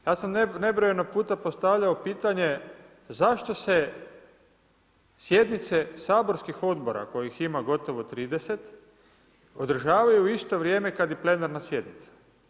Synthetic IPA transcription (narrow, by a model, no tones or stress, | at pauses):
jaːsamnebɾojenopuːt̪apo̞st̪aʋʎaopiːt̪aɲe̞ | zaʃt̪o̞se̞ | sje̞d̪nit̪se̞saːbo̞ɾskixo̞d̪bo̞ɾa̰ko̞jiximaɡo̞t̪o̞ʋot̪ɾiːd̪e̞se̞t̪ | o̞d̪r̩ʒaːʋajuist̪o̞ʋɾjeːme̞kad̪jeple̞naɾnasje̞d̪nit̪sḁ